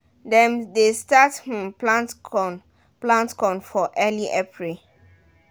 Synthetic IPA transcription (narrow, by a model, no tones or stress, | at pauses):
dɛ̃mdestath̩pãntɔn | plãntkɔ̃nfɔʔɛliʔapʰɹil